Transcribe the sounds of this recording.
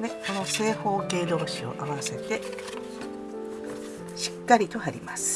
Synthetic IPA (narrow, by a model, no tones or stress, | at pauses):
neko̞no̞se̞ːho̞ːke̞ːd̪o̞ːɕio̞̰ʔaβase̞t̪e̞ | ɕi̥kːaɾʲit̪o̞haɾʲimasɨ̥